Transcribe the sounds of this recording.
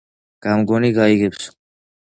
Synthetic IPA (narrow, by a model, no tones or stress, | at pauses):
ɡ̥amɡɔniɡaiɡɛps